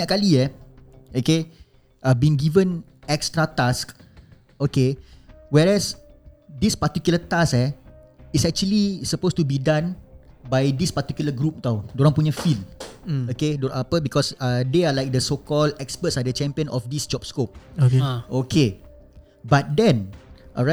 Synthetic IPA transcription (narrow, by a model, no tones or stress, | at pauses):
ɲaʔkaliɛ | oke | ʔabĩŋɡivə̃n | ɛkstɹat̪ask | okewɛɹɛsdispat̪ikjulət̪asɛ | isɛk̚t͡ʃuəlisəpostubidãnbajdispat̪ikjuləɡɾup̚t̪awdoɾãŋpuɲəfilokedoãapəbikɔsadealajk̚dəsokɔldɛkspətsadət͡ʃɛ̃mpiə̃nʔɔfdisd͡ʒɔp̚skop̚oeokʰe | bat̪̚dɛ̃nʔɔɹa